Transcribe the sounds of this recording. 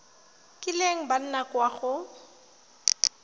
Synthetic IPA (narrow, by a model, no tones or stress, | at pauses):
kʼɪleŋ̩ban̩nakwaɣʊ